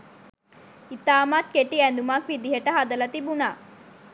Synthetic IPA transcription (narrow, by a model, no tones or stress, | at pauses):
it̪aːmat̪̚keʈiɛnd̪umakʋid̪iɦəʈəɦad̪ɐlɐt̪ibunaː